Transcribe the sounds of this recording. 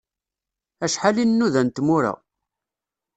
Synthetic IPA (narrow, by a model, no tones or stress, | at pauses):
æʃħalinːuðænt̪muɾæ̰